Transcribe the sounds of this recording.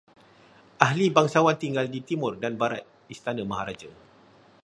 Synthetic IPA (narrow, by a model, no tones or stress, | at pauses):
ʔaɦlibaŋsawant̪iŋɡaldit̪imʊrdanbaɾa̰t̪̚ | ist̪anə̃maɦaɾad͡ʒə